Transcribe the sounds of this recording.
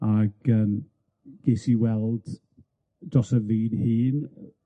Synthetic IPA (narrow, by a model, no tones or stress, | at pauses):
aɡ̥əːm | ɡ̥esiwɛlˠd̥ | d̥rɔsəviːnhiːn